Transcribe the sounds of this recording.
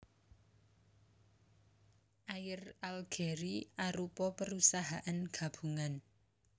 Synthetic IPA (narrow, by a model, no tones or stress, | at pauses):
ʔajɪralɡ̥eɾiaɾupɔpəɾusaɦaʔanɡ̥ä̤b̥ṳŋan